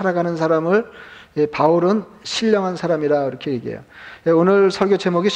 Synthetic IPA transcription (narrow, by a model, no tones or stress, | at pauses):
aɾaɡanɯnsʰaɾamɯɭepauɾɯnɕʰiʎːʌŋɦansʰaɾamiɾaiɾʌkʰeiɡḛjo̰eonɯɭsʰʌɭɡjot͡ɕe̞moɡi